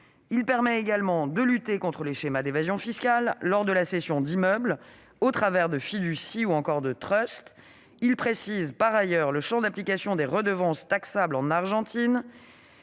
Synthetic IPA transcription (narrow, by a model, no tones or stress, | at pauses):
ilpɛʁmɛeɡalmɑ̃d̪əlyt̪ekɔ̃t̪χəleʃemad̪evazjɔ̃fiskʲalːɔʁd̪əlasesjɔ̃d̪imœbl | ot̪χavɛʁd̪əfid̪ysiuɑ̃kɔʁd̪ət̪χœst̪ | ilpχesizpaʁajœʁləʃɑ̃d̪aplikasjɔ̃d̪eʁəd̪əvɑ̃st̪aksablɑ̃naʁʒɑ̃t̪in